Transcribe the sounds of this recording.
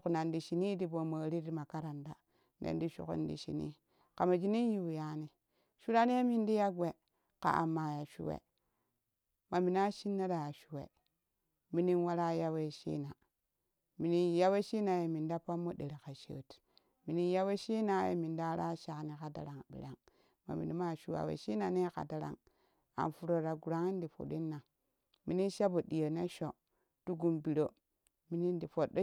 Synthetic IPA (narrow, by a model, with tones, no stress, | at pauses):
u˨kna˨ndi˨ʃi˨ni˦di˨bo˨ma˨ɾi˦di˦ma˨ka˦ɾa˨nda˨ | ndḛ˦n˦di˦ʃṵ˨kṵ˦ndḭ˨ʃḭ˨nḭ˦ | ka˨ma˨d͡ʒi˦ni˦n˦ju˨ja˦ni˦ | ʃu˦ɾa˦ni˦je˦mi˨ndi˦ja˦ɡwe˨ | ka̰˨ʔa̰˨mːa˨ja˨ʃṵ˦wḛ˨ | ma˨mi˨na˦ʃi˦nːa˦da˨ja˨ʃu˨wḛ˨ | mi˨ni˦nwa˦ɾa˦ja˦we˦˨ʃḭ˦na˨ | mi˨ni˦ja˦we˦ʃi˦na˨je˨mi˨nda˦pa˦mːo˦de˨ɾe˨ka˨ʃḛ˨˦˨t | mi˨ni˦ja˦we˦ʃi˦na˨˦jḛ˨mi˨nda˦ɾa˦ʃa˨kni˨ka˨da̰˨ɾa˨ŋ˨bḭ˨ɾa˦ŋ | ma̰˨mḭ˨ni˨˦ma˦˨ʃu˦wa̰˨wḛ˨ʃi˦na˨ne˦ka̰˨da˦ɾa̰˨ŋ | a̰˨fu˨ɾo˨ɾa˨ɡu˨ɾa˦ŋi˦n˦di˨fo̰˨ɗi˦nːa˨ | mi˨ni˦nʃa˦bo˨ɗi˨jo˨ne˦ʃo˨ | tu˦ɡu˨mbi˨ɾo˦ | mi˨ni˦ndi˨fo˨do˦